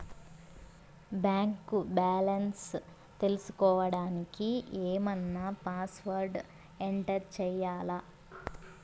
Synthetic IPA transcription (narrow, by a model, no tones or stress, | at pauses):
baːŋkubaːlɐns | t̪e̞lusu̥kɔːʋɐɽaːnikieːmɐnːaːpaːsʋɐɾɖ | eɳʈɐɾt͡ʃɛjaːlɐ